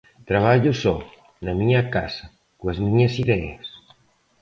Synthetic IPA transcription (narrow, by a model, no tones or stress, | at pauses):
t̪ɾaβ̞aʎʊsɔ | nɐmiɲɐkasɐ | koɐzmĩɲɐsiðɛḛs